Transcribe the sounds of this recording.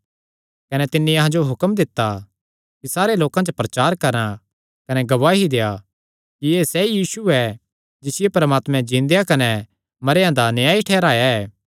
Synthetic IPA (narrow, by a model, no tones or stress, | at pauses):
kɐnɛt̪ɪnːĩɐɦãd͡ʒoɦʊkəmd̪ɪt̪ːa | kisaːɾeloːkãt͡ʃopɾɐt͡ʃaːɾkɐɾã | kɐnɛɡɐʋaːɦid̪eja | kijeːsɛjiːsuɛ | d͡ʒɪsɪjepɐɾmaːt̪mɛ̃d͡ʒɪ̃ːnd̪ejakɐnɛ | mɐɾjãd̪anjaːiʈʰɛːɾaːjaɛː